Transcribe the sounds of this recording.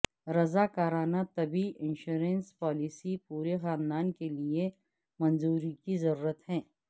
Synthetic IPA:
ɾɐzaːkaːɾaːnat̪ɐbiʔɪ̃nʃuːɾẽnspaːlisipuːɾexaːnd̪aːnkelie | mɐ̃nzuːɾikizɐɾuːɾət̪hɛ̃ː

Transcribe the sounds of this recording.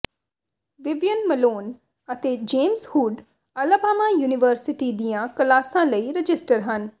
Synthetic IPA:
ʋɪʋjənməloːn | ət̪eːd͡ʒeːmshuːɖ | əlaːbaːmaːjuːnɪʋəɾsɪʈiːd̪ijãːkəlaːsãːləiːɾəd͡ʒɪsʈəɾɦən

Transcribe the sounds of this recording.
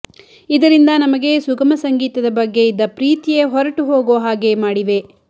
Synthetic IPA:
id̪ɐɾind̪ɐnɐmɐɡe̞suɡɐmɐsɐŋɡiːt̪ɐd̪ɐbɐɡːe̞id̪ːɐpɾiːt̪ijeɦɔɾɐʈuɦoːɡoʋɦaːɡe̞maːɽiʋe̞

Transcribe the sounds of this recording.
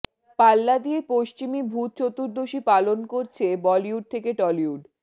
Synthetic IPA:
palːad̪iepoʃt͡ɕimibʱut̪̚t͡ɕot̪ːuɾd̪oʃipalonkoɾt͡ɕʰebɔliuɖ̚t̪ʰekeʈɔliuɖ

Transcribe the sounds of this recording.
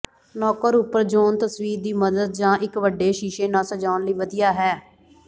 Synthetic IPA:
nɔːkəɾʊpːəɾd͡ʒoːnt̪əsʋiːɾd̪iːməd̪əd̪̚d͡ʒãːʔɪkʋəɖeːʃiːʃeːnãːsəd͡ʒaːnləiːʋəd̪ijaːɦɛː

